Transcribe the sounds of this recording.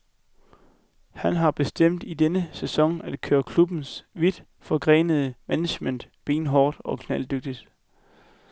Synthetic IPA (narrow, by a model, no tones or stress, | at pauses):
hænɦɑ̈b̥e̝sd̥em̰d̥id̥enəsesɒ̽ŋæd̥kʰøːɐkʰlub̥n̩sʋid̥ | fɒ̽ɡ̥ʁɛ̰ːnəð̞ˠəmæne̥men̰d̥b̥e̝ːnɦɒːd̥ɒ̽kʰnæld̥øɡ̥̚d̥id̥